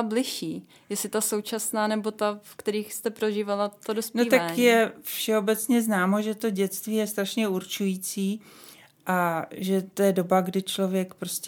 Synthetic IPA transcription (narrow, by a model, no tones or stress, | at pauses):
ablɪʃiː | jɛsɪt̪asowt͡ʃasnaːnɛbo̞t̪afkt̪ɛɾiːxst̪ɛpɾo̞ʒivalat̪odospnoivt̪aakːɲjɛfʃɛo̞bɛt͡sɲɛznaːmo̞ʒɛt̪o̞ɟɛt͡st̪viːjɛst̪ɾaʃɲɛuɾt͡ʃujiːt͡siː | ʔaʒɛt̪ojɛdo̞baɡdɪt͡ʃlo̞vjɛkpɾo̞sc